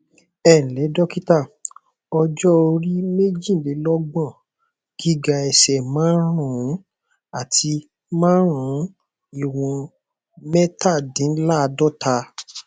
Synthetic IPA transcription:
ɛ˦˨lɛ˨˦dɔ˦ki˦ta˦˨ | ɔ˧d͡ʒɔ˦o˧ɾi˦me˦d͡ʒĩ˦˨le˨˦lɔ˦ɡ͡bã˦˨ | ɡ̥i˦ɡa˧ɛ˨sɛ˨mãː˨˦ɾũ˦˨ũ˨˦ | a˨ti˧ | mãː˦ɾ̃ũ˨˦ | i˨wɔ̃˧ | mɛ˦ta˦˨dĩ˨˦la˦˧dɔ˦˨tʰa˧

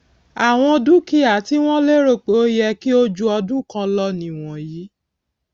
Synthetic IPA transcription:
a˨w̃ɔ̃˧du˦ki˦a˨˦ti˦w̃ɔ̃˦le˦ɾo˦˨k͡po˨˦jɛ˧ki˦o˦d͡ʒu˦ɔ˧dũ˦˨kã˧lɔ˦nĩ˨w̃ɔ̃˨ji˨˦

